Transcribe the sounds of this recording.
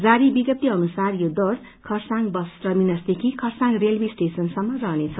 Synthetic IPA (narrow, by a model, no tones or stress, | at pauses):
d͡zaɾibiɡʌt̚t̪ːiʌnusarjod̪ʌr | kʰʌrsaŋɡbʌsʈʌminʌsd̪ekʰikʰʌrsãŋrelbisʈesʌnsʌmːʌrʌɦnet͡sʰʌ